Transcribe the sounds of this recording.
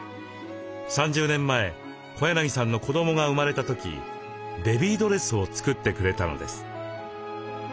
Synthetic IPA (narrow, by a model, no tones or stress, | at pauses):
sãɲ̟d͡ʑɨːnẽ̞mːae̞ | ko̞janaɲ̟ʲisãnːoko̞d̪o̞mo̞ɡaɯ̟maɾe̞t̪at̪o̞kʲḭ | d̪e̞bʲiːd̪o̞ɾe̞sɨo̞t͡sɨ̥kɯ̟t̪ːe̞kɯ̟ɾe̞t̪ano̞̰d̪e̞̰sɨ̥